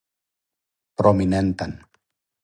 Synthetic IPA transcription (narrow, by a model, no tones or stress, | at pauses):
pɾominent̪an